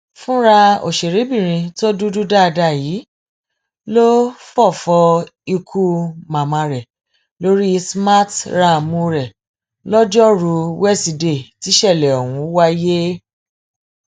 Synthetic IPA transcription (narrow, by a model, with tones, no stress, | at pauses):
fũ˦ɾa˧o̰˨ʃe˨ɾe˨˦bĩ˦˨ɾ̃ĩ˧to˦du˦du˦da˦˧da˧˨jiː˨˦ | lo˦fɔ˦˨fɔ˧i˧kʰu˦mã˨mã˧ɾɛ˨ | lo˦ɾi˦˧sma˦tɾa˧˨mũ˧ɾɛ˨ | lɔ˦d͡ʒɔ˦ɾu˧wɛ˦˨si˧de˦˨ti˨˦ʃɛ˦˨lɛ˨ɔ˨wũ˨˧˦wa˦je˦